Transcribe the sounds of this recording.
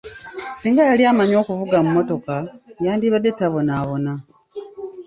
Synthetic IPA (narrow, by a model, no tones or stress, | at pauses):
siːŋɡajaliamaɲo̞ːxuvuɡamumːo̞to̞kajaːndiβadetaβo̞naβo̞na